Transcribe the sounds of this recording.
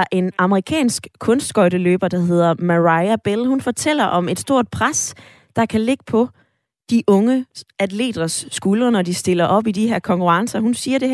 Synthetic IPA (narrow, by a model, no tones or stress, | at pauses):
ʔe̝nɑ̈məʁikʰɛ̰ːnsɡ̥kʰɔ̽nsd̥ɡ̥ɒ̽ɪɾəlø̰ːb̥ɐd̥ɑ̈ɦe̝ð̞̰ˠɐmæʁɑ̈ɪæb̥elhunfɒ̽t͡sʰel̰ɐʔɒ̽me̝d̥sd̥o̝ɐ̰d̥̚pʰʁas | d̥ɑ̈kʰæle̝ɡ̥əpʰɒ̽ | d̥iʔɔ̽ŋəæd̥le̝̰ːd̥ʁɐsːɡ̥ulɐnɒdisd̥e̝lɐʔɒ̽b̥id̥iheɐ̰kʰɒ̽ŋkʰuʁɑ̈ŋsɐhunsiːɐɾ̥e̝